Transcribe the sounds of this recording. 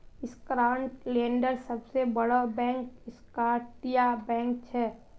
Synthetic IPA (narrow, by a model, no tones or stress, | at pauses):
ɪskɾaːɳʈlẽːɳɖəɾsəbsebəɽobɛ̃ːŋkɪskaʈijabɛ̃ːŋk̚t͡ʃʰɛ